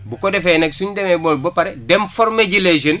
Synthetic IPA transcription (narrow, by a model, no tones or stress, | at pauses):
bukodefeneɡsuɲdemeboːlbopaɾedemfoɾmeɟiled͡ʒən